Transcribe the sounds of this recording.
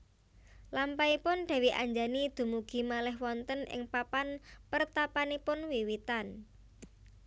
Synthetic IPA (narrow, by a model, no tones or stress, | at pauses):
lampaipʊnɖ̥a̤wiʔa̰ɲd͡ʒanid̪̥ṳmuɡ̥i̤malɛɦwɔnt̪ənɪ̰ŋpapanpərt̪apanipʊnwiwit̪an